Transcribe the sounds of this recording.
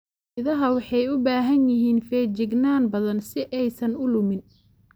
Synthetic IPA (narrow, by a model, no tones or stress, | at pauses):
ɪðɐɦɐwɑħɑjʊbaːɦɐnjɪɦiːnfɛːt͡ʃɪɡnaːnbɐðɐnsɪʔɛjsɐnʊlʊmɪn